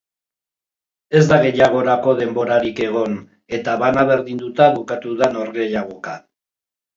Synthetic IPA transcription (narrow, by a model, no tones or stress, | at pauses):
e̞zd̪aɣe̞jaɣ̞o̞ɾako̞ðe̞mbo̞ɾaɾike̞ɣ̞o̞n | e̞t̪aβanaβe̞ɾðind̪ut̪aβukat̪uðano̞ɾɣe̞jaɣ̞o̞ka